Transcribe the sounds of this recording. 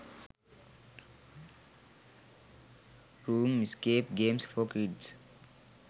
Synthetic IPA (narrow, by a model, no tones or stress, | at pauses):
ɾuːmiskepɡẽːmsfɔkɾiɖs